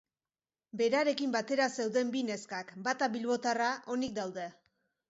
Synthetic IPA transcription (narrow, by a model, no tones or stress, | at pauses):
be̞ɾaɾe̞kimbat̪e̞ɾase̞wðe̞mbine̞skakbat̪aβilβo̞t̪araʔo̞nik̚d̪awðe̞